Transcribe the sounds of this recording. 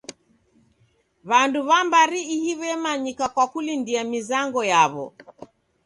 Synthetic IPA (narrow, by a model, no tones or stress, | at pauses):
βanduβambaɾiːhiβɛmaɲikakwakulindiamizaŋɡɔjaβɔ̰